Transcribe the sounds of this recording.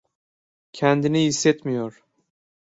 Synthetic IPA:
cʲʰænd̪iniisːɛt̪mijoɾ

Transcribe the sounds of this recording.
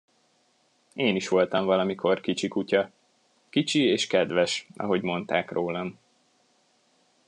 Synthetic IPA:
eːniʃʋo̞lt̪ɒɱvɒlɒmikʰo̞rkit͡ʃikucɒ | kit͡ʃieːʃkɛd̪ʋɛʃɒ̰ɦo̞ɟmo̞nt̪aːkroːlɒm

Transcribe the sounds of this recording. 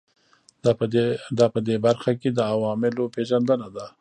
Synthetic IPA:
d̪ɑpəd̪ebaɾxaked̪əawɑmɪlopʰeʒand̪ənad̪a

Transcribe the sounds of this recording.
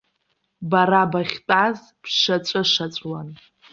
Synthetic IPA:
baɾabaχʲtʼaz | pʰʂat͡ʃʷʼɨʂat͡ʃʷʼwan

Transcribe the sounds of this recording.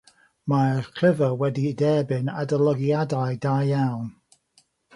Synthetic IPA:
maχʰɪvəwɛdidɛːbɨnadəlˠɔɡiadajdajjawn

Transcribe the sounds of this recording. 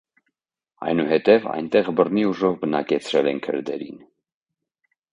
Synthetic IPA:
ɑ̰jnuɦɛt̪ɛvɑ̰jnt̪ɛʁbərniuʒɔvbənɑkɛt͡sʰɾɛlɛnkʰə̰ɾd̪ɛ̰ɾḭn

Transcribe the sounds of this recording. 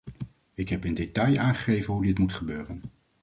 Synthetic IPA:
ɪkɦɛpɪndetɑjaːnχə̥χejvənɦudɪtmutχəbøːrən

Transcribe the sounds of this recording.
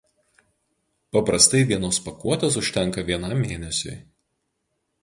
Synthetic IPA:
pɐpɾɐst̪ɐɪʋʲiɛnoːspɐkuɔt̪ʲɐs̬ʊʃʲt̪ʲɛŋˑkɐʋʲiɛnɐˑmːʲeːnʲɛsʲʊ̰ɪ

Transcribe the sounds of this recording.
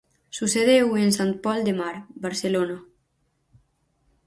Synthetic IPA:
suseðewensant̪̚pɔld̪emaɾbaɾselona

